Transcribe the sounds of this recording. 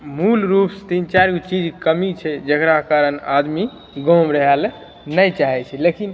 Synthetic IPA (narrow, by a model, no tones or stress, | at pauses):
mulɾupst̪int͡ʃaɾkut͡ʃid͡ʒkəmit͡ʃʰɛd͡ʒəkɾakaɾəna̰d̪mi | ɡõmɾəɦɛl | nəjt͡ʃaɦɛt͡ʃʰɛlekin